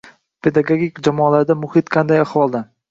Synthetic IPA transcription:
pʰe̞d̪aɡoɡʲikʲd͡ʒamɒːlaɾd̪amʊhɪt̪qʰɑnd̪ajahwɒlˠd̪a

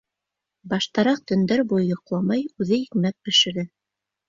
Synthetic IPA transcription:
bɑʃt̪ɑɾɑq̚t̪ɵ̆nd̪æɾbujjŏqlˠɑmɑjʉðɘikmæp̚bɘ̆ʃɘ̆ɾɘ

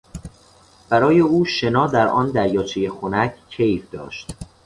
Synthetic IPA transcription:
b̥æɾɒːje̞uːʃe̞nɒːd̪æɾʔɒːnd̪æɾjɒːt͡ʃʰeje̞xonæcʰcʰe̞jfd̪ɒ̰ːʃt̪

